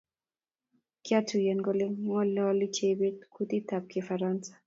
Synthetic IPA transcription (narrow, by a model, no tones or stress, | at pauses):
kjatujɛnɡolimɔlɔlit͡ʃebet̪̚kʰut̪it̪ap̚kefaɾansḁ